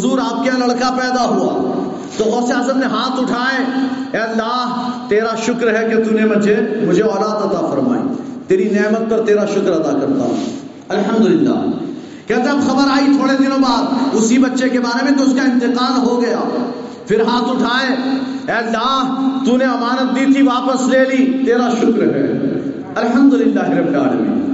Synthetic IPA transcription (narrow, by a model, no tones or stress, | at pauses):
zuːɾaːp̚kẽlɐɽkapɛːd̪aɦua̰ | t̪ooːsejaːzəmneɦaːt̪ʊʈʰaːẽːɛːɐlːaːɦt̪eːɾaʃʊkɾɦɛket̪unemʊd͡ʒʱemʊd͡ʒʱeɔːɾaːt̪ɐt̪afɐɾma̰ːḛːt̪eːɾineːmət̪̚pɐɾt̪eːɾaʃʊkɾɐt̪akɐɾt̪a̰ːɛ | ɐlɦɐmd̪ʊlɪlːa̰ː | kɛɦt̪eɐbxɐbəɾaːit̪ʰoːɽed̪ɪnõːbaːd̪ʊsibɐtːʃekebaːɾemẽt̪̬oʊskaɪ̃nt̪ɪqaːɾɦoɡɐja̰ː | pʰɪɾɦaːt̪ʊʈʰaːeː | ɛːlːaːɦt̪uneɐmaːnət̪̚d̪iːt̪ʰiʋaːpəsleːliːt̪eːɾaʃʊkɾɦɛ̰ | ɐlɦəmd̪ʊlɪlːaːɦɪɾebɾa̰ːlmḭː